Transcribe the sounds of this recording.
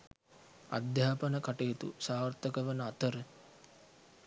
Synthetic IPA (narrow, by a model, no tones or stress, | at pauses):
a̰d̪jaːpənəkaʈejt̪ṵsaːrt̪əkəʋənəat̪əɾə